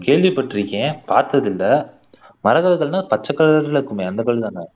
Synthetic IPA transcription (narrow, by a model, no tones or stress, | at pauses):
keːɭʋipːɐʈːɪɾikːẽːpaːɾt̪ɐðɪlːɐ | mɐɾɐɣɐðɯɣɐɭnãːpɐt͡ʃːɐkːɐɭɐɾɐlɪɾɯkːɯmeːɐnd̪ɐkːɐɭɐɯt̪aːŋɡɐ